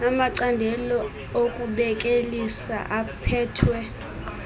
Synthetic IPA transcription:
amaǀandʱɛlɔ | okʼuɓɛkʼelisa̰ʔapʰɛːtʰwɛ

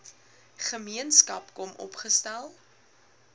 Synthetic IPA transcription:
χəmiənskɐpkɔmʔɔ̰pχəstælˠ

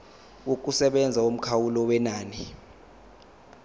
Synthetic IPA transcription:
uk̬ʼusɛɓɛnd͡zʱaom̩kʰawulɔwɛnaːni

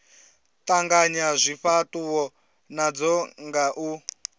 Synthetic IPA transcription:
tʼaŋɡaɲazʷiɸatʼuwɔ | nad͡zɔŋɡaʔu

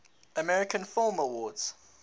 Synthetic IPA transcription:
əmɛɹɪkʰə̃nfɪlˠməwɔːdz̥

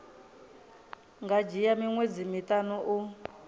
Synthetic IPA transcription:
ŋɡad͡ʒijamiŋwed͡zimitʼanuʔu

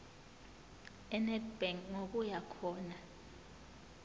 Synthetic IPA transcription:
ɛnɛdbɛŋŋok̬ʼujakʰɔːna

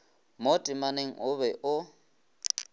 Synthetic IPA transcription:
motʼɪmaneŋ̩ʊβɛʔʊ

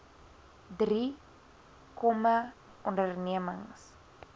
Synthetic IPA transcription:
dri | kɔma | ɔndərniəməŋs

